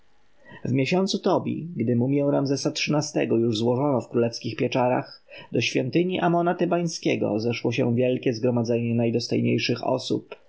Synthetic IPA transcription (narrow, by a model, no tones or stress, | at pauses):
vmʲjeɕɔnt̪sut̪ɔbʲḭɡd̪ɘmumʲjɛw̃ɾamzɛsatʂɨnast̪ɛ̰ɡɔjuʐzwɔʐɔnɔfkɾulɛfskʲixpʲjɛt͡ʂaɾa̰xd̪ɔɕfʲjɔnt̪ɘɲiʔamɔnat̪ɛbaj̃skʲɛɡɔ̰zɛʂwɔɕɛ̰vʲjɛlkʲɛzɡɾɔmad̪zɛɲɛnajd̪ɔst̪ɔ̰jɲḛjʂɘxɔ̰sṵp